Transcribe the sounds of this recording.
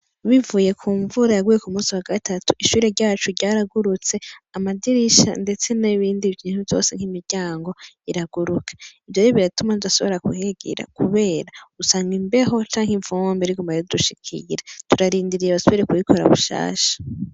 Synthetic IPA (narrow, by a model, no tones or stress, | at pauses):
βivuːje̞kʰuːɱvuɾajaɡuje̞kumuːsiwaɡatʰatu̥ʔiʃuːɾeɾɟaːt͡ʃuɾɟaːɾaɡuɾut͡se̞amadiɾiʃa̰nde̞t͡se̞naβiːndivjiːnhuvzo̞̰se̞ŋ̥himiɾɟaːŋɡo̞ | iɾaɡ̥uɾukʰḁivjoɾiβiɾatumatudaso̞βo̞ɾakuheɡḭɾa̰kuβe̞ːɾausaːŋɡimbe̞ɦo̞t͡ʃaːŋhiɱvumbeɾiɡumaɾeuduʃikʰḭɾatuɾaɾiːndiɾijaβasoβiɾekuβikʰo̞ɾa̰βṵʃa̰ːʃḁ